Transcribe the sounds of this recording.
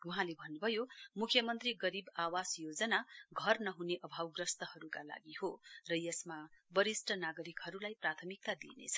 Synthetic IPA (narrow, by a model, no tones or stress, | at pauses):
uɦãlebʱʌnːubʱʌjomukʰjʌmʌnt̪riɡʌɾibawasjod͡zʌnaɡʱʌrnʌɦuneʔʌbʱawɡrʌst̪ʌhʌɾukala̰ɡihorʌjʌsmabʌɾisʈʰʌnaɡʌɾikhʌɾulajprat̪ʰʌmik̚t̪ad̪ḭnḛt͡sʰʌ̥